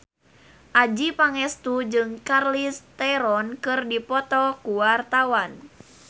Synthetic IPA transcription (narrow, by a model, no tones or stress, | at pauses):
ʔad͡ʒipaŋɛst̪ud͡ʒɨŋkarlist̪ɛɾɔnkɨrdipɔt̪ɔkuwart̪awan